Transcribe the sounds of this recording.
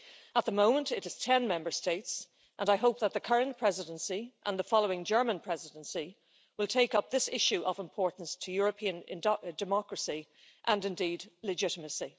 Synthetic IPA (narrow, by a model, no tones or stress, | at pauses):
ət̪̚ðəmõʊ̃mə̃ntɪɾɨz̥tʰɛ̃nmɛ̃mbə˞steɪts | ʔə̃naɪɦoʊp̚ðət̪̚ðəkʰʌɹə̃npʰɹ̥ɛzɪɾə̃nsiʔə̰̃nðəfɑlˠoʊɪ̃ŋd͡ʒɜ˞mə̃npʰɹ̥ɛzɪdə̃nsi | wɪlˠtʰeɪkʌp̚ðɪsɪʃʉʔəvɪ̃mpʰɔɹʔn̩stʰəjɔɹəpʰĩə̃nɪ̰̃ndɨmɑkɹəsi | ʔə̃nɨ̃ndidˡlɨd͡ʒɪɾəməsi